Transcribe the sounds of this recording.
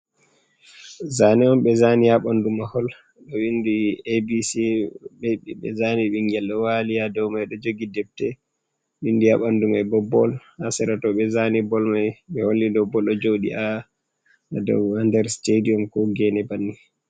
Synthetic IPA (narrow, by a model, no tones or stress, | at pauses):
zanɛɔmɓɛzanijaɓandumahɔl | ɗɔwindiebisiɓɛɓɛ̰zaniɓiŋɡɛlːɔwalijadɔwmajɗɔd͡ʒoɡidɛb̚tɛ | windiaɓandumajbɔbːɔ̰lhasɛɾatɔɓɛzanibɔlmajɓɛholːidɔbɔlɔd͡ʒowɗḭʔa | adɔ̰wandɛɾstediɔmkɔɡɛnɛbanːi